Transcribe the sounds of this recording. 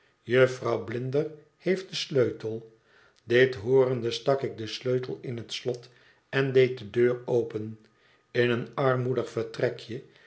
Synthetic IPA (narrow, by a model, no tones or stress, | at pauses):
jəfrɑwblɪndər | hejft̚dəsløɥtəlˠ | dɪtɦʊːɾəndəstɑkɪk̚dəsløɥtəlˠɪnɦətslɔt | ɛndejt̚dədøːɹowpən | ɪnənɑɹmudəχfəɹtrɛkjə